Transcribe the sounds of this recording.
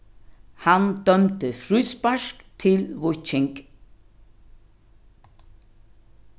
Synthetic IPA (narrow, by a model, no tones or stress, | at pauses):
hand̪̥œmt̪əfɾʉːspaʂkt̪ʰɪlʋɔt͡ʃɪŋk